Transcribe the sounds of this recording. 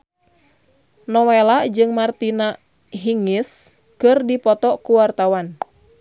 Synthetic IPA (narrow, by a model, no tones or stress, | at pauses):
nɔwelad͡ʒɨŋmart̪ina | ɦiŋis | kɨrdipɔt̪ɔkuwart̪awan